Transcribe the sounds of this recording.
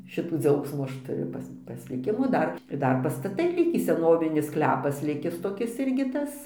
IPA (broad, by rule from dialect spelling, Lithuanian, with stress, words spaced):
ˈʃʲɪtuː ˈd͡zʲɛʊksmuː ˈɐʃ tʊˈrʲʊ ˈpɐs pɐsʲlʲɪˈkʲɪmuː ˈdɐr ɪr ˈdɐr pɐstɐˈtɐɪ ˈlʲɪkʲiː sʲɛˈnoːʋʲɪnʲɪs ˈsklʲæːpɐs ˈlʲɪkʲɪs toːˈkʲɪs ˈɪrʲɡʲɪ ˈtɐs